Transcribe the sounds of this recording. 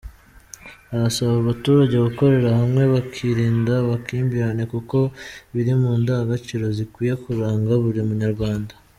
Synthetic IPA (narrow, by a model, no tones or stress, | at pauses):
aβasaβaβatuːɾaɟe̞ɡuko̞ɾe̞ɾahamŋe̞βakʰiɾiːndaβakiːmbiɾane̞kuko̞βiɾimuːndaːɡat͡ʃiɾo̞zikwiːje̞kuɾaːŋɡaβuɾimuɲaɾɡwaːnda